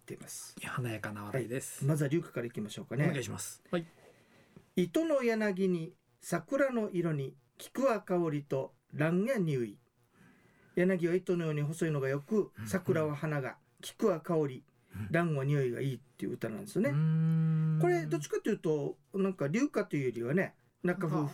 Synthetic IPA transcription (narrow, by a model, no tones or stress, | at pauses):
t̪ːeimasɨ̥hanajakanaβaad̪esmazaɾʲɨːkḁkaɾaikʲimaɕo̞ːkanekɕimas | it̪o̞no̞janaɡʲiɲ̟i | sakɯ̟ɾano̞ʔiɾo̞ɲ̟i | kʲi̥kɯ̟akaoɾʲit̪o̞ | ɾãɰŋ̃jaɲ̟iɯi | janaɡʲiβait̪o̞no̞jo̞ːɲ̟iɦo̞soino̞ɡajo̞kɯ̟sakɯ̟ɾaβahanaɡa̰ | kʲi̥kɯ̟akao̞ɾʲi | ɾãɰ̃βaɲ̟iɯiɡa̰iːt̪ːe̞jiɯ̰ɯt̪anã̰nd̪e̞sne | ko̞ɾe̞d̪o̞t͡ɕi̥kat̪ːojɯ̟ːt̪o̞ | nãŋkaɾʲɨːkat̪o̞iɯ̟joɾʲiβane̞ | nakaɸɯ